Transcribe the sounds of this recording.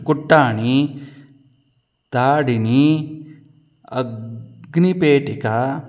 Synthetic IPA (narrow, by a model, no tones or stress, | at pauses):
kuʈːaːñi | t̪aːɽini | ɐɡnipeːʈika